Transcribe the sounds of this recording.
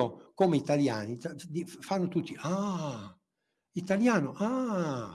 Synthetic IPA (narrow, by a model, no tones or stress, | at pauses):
okomeit̪aljaːnid̪ifanːot̪ut̪ːia | it̪aljaːnoʔa